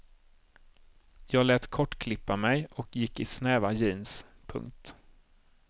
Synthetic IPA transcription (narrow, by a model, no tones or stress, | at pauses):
jɑːɡlɛːt̪kʰɔʈːkʰlɪpːamɛjɔkjɪkːɪsnɛːvajiːnspʰɵ̰ŋkt̪